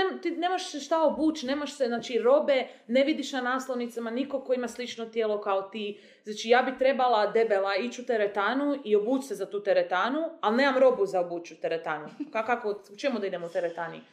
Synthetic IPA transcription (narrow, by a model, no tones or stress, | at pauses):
emt̪ine̞ːmaʃseʃt̪aobuːt͡ʃne̞ːmaʃseznaːt͡ʃiɾo̞be̞neʋid̪iʃnanaːslˠoʋnit̪samaniko̞koimaslit͡ʃnot̪jelo̞kaot̪iː | znaːt͡ʃijaːbit̪ɾe̞balad̪e̞belait͡ʃut̪eɾet̪aːnuio̞buːt͡ʃsezat̪uːt̪eɾet̪aːnualne̞ːmamɾo̞buzaobuːt͡ʃut̪eɾet̪aːnukakakout͡ʃemud̪aid̪emout̪eɾet̪aːnḭ